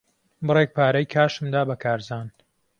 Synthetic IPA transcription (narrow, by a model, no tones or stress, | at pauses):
bɨrek̚pʰaːɾɐjkʰaːʃɨmd̪aːbɐkʰaːɾzaːn